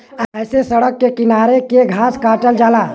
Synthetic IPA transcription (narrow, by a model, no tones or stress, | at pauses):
əjsesəɽəkːekɪnaːɾekeɡʱaːskaːʈəld͡ʒaːlaː